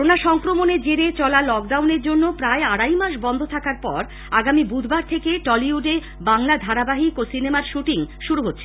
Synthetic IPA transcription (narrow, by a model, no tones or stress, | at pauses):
ɔɾonaʃɔŋkɾomoned͡ʑeɾet͡ɕɔlalɔk̚ɖawneɾd͡ʑonːopɾaeaɽajmaʃ̬bɔnd̪ʱot̪ʰakaɾpɔɾ | aɡamibud̪ʱbaɾt̪ʰekeʈɔliuɖe | baŋlad̪ʱaɾabaɦikosinemaɾʃuʈiŋʃuɾuɦotːɕʰe